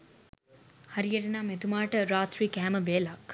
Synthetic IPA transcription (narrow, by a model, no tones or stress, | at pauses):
haɾijeʈenaːmet̪umaːʈəɾaːt̪ɾiːkæɦːməʋeːlak